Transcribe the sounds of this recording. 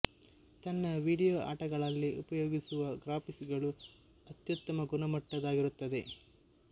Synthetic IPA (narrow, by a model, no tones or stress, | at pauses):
t̪ɐnːɐʋiːɽijoːʔa̰ːʈɐɡɐɭɐlːiʔupɐjoːɡisuʋɐɡɾaːpisiɡɐɭu | ɐt̪jut̪ːɐmɐɡunɐmɐʈːɐd̪aːɡiɾut̪ːɐd̪e̞